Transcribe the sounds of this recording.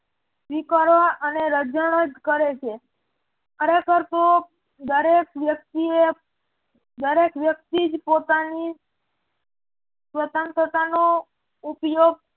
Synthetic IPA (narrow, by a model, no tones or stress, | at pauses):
ʋikaɾʋaʔəneɾəd͡ʒəɽ̃od͡ʒ̪kəɾet͡ʃʰe | kʰəɾekəɾt̪o | d̪əɾek̚ʋjək̚t̪ie | d̪əɾekʋjək̚t̪id͡ʒpot̪ani | sʋət̪ənt̪ʰət̪ano | upjoɡ̚